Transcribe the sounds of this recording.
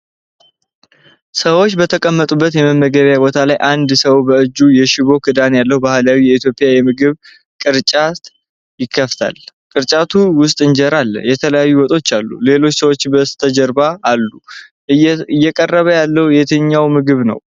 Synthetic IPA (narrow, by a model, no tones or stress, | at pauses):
səwot͡ʃːbət̪ʰəkʼəmːət̪ʼubːət̪jɛməmːəɡəβjabo̞t̪ʰalajʔand̪səwbəɨd͡ʒːujɛʃɪβo̞kʰɨd̪anjalːəhubahlawijɛit̪ʰjo̞pʼɪjajɛmɨɡɨβ | kʼɨɾt͡ʃʼat̪ | jɪkʰːəft̪ʰa̰lkʼɨɾt͡ʃʼat̪ʰuwʊst̪ʼɨnd͡ʒɛɾalːə̰jɛt̪ʰələjajːuwɔt̪ʼo̞t͡ʃːalːṵle̞lo̞t͡ʃːsəwot͡ʃːbət̪ʰəd͡ʒɛɾbaːlːu | ɨjːɛkʼərːəβəjalːəhujɛt̪ʰəɲːawmɨɡɨβnə̰w